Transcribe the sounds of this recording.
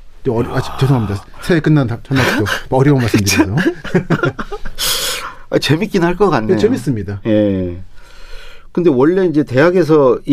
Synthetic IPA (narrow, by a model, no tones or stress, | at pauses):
ʌad͡ʑi̥t͡ɕʌsʰoŋɦamɲidasʰeek͈ɯnːaat͡ɕʰʌnaoʌɾjʌunmaɭs͈ɯmdɯio | a̰t͡ɕe̞mik͈inhaɭk͈ʌk͈anːet͡ɕemis͈ɯmɲidaje̞ | kɯnde̞wʌɭːe̞ind͡ʑe̞te̞jaɡe̞s̬ʰʌi